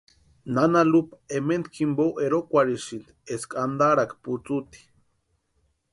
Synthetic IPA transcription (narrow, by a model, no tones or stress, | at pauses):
nanalupement̪kʰimbowʔeɾokʷaɾiʃind̪eskʼand̪aɾakput͡sut̪i̥